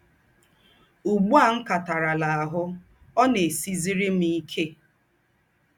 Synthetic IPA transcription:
u˨ɡ͡bu˦a˨ŋ̩˦ka˨ta˨ɾa˨la˨a˨ɦʊ˦ | ɔ˦ne˨si˦zi˦ɾi˦m̩˦i˦kʰe˦

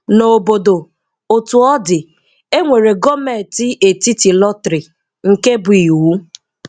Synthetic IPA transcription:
no˨bo˨do˨ | o˨tu˨ɔ˦dɪ˨ | e˦ŋʷe˨ɾe˨ɡɔ˦me˨tɪ˦ʔe˨ti˦ti˨lɔ˦tɾɪ˨ | ŋ̩˨ke˦bʊ˨i˨u˨˦

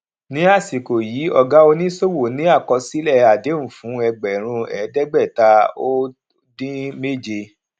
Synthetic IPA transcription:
nĩ˨˦a˦˨si˨ko˨ji˨˦ɔ˧ɡa˦o˧nĩ˦so˦˨wo˨nĩ˦a˦˨kɔ˧si˨˦lɛ˦˨a˨de˨˦m̩̃˨fũ˨˦ɛ˧ɡ͡bɛ˨ɾ̃ũ˧ɛ˨˦dɛ˦ɡ͡bɛ˦˨ta˧o˦ | dĩ˦me˦˨d͡ʒe˧

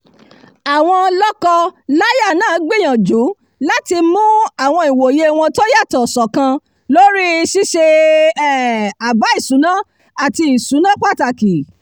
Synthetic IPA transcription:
a˨w̃ɔ̃˧lɔ˦kɔ˧la˦ja˦˨nãː˦˨˦ɡ͡be˦˨j̃ã˨d͡ʒu˨˦ | la˦ti˧mũ˦a˦˨w̃ɔ̃˧i˨wo˨je˧˦w̃ɔ̃˧to˦ja˦˨tɔ˨sɔ˨kã˧ | lo˦ɾi˦ʃi˦ʃe˧˦˨ | a˨ba˨˦i˦˨sũ˨˦nã˦ | a˦˨ti˧i˨sũ˨˦nã˦k͡pa˦˨ta˨ki˨

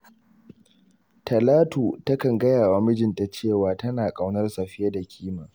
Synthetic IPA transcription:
tʰɐ˨laː˦tuː˨tɐ˦kɐ˨ŋɡɐ˦jaː˨waː˨˦mɪ˦d͡ʒɪ˨nta˨t͡ʃeː˦˨waː˨tɐ˦naː˨kʼa˦wnɐ˦rsa˨ɸɪ˦ja˦da˨kʲʰiː˦maː˨

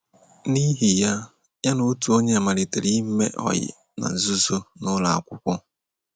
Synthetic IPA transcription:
ni˦ɦi˨ja˦ | ja˦no˦tu˨o˦ɲe˦a˨ma˨lɪ˨te˨ɾi˦m̩˦mḛ˦ʔɔ̰˨jɪ̰˨ | na̰˨n̩˨zu˦zo˦nʊ˦la˨a̰˨kʷʊ˦kʷʊ˦

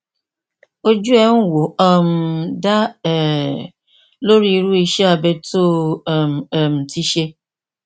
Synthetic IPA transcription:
o˦d͡ʒu˦e˦ŋ̩˦wo˨ɔ˦m̩˦da˦ɛ˨ | lo˦ɾi˦ɾu˦i˦ʃe˦a˨be˦to˦˨m̩˨e˨m̩˨ti˦ʃe˦

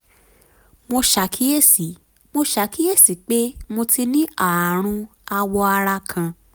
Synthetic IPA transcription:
mo˧ʃa˨˦kʰi˦je˦˨si˨˦ | mo˧ʃa˨˧ki˦je˦˨si˨k͡pe˦mo˧ti˧nĩ˦a˨ɾ̃ũ˧ | a˧wɔ˧a˧ɾa˧kʰã˧

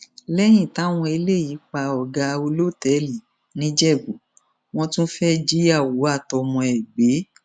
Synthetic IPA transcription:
lɛ˦j̃ĩ˦˨ta˦w̃ɔ̃˧i˧le˦˨ji˨˦k͡pa˧ɔ˨ɡa˧o˧lo˦˨tɛ˨˦li˨ | nĩ˦d͡ʒɛ˦˨ɡu˨˦ | w̃ɔ̃˦tũ˦fɛ˦d͡ʒi˦a˦˨wo˨˦a˦˨tɔ˧mɔ̃˧ɛ˨ɡ͡be˨˦

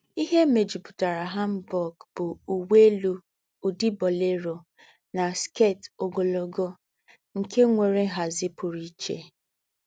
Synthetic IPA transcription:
i˦ɦe˦me˨d͡ʒi˨pʊ̥˨ta˨ɾa˨ɦa˦m̩˦bɔ˨ɡb̥ʊ˨u˨we˦lu˦ | u˨di˦bɔ˨le˦ɾo˨ | na˨ske˦˨to˨ɡo˨lo˨ɡo˦ | ŋ̩˨ke˦ŋʷe˨ɾe˦ɦa˨zɪ˦pʊ˨ɾi˦t͡ʃḛ˦˨

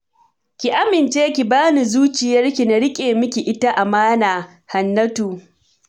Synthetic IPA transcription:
kʲi˨ʔa˦mɪ˨nt͡ʃeː˦kʲi˨baː˦ni˨zuː˦t͡ʃɪ˨jɐ˦rkʲi˨na˦ɾɪ˦kʲʼeː˨mɪ˦kʲi˨ʔɪ˦ta˦ʔa˨maː˦naː˨ | ha˨nːɐ˦tuː˨

